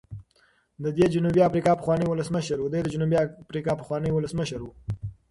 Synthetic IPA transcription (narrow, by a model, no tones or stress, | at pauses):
d̪əd̪ed͡ʒunubiafɾikɑpəxwɑnəjwʊləsməʃəɾwud̪əjd̪əd͡ʒʊnubiafɾikɑpəxwɑnəwʊləsməʃəɾwu